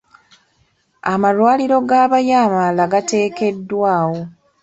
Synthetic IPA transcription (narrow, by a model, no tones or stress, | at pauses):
amalwaːliɾo̞ɡaːβajaːmalaɡate̞ːke̞dːwaːwo̞